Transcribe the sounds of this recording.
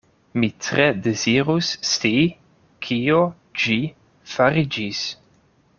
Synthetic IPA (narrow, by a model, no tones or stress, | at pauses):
mitɾedeziɾusːti | kʰio | d͡ʒi | faɾid͡ʒis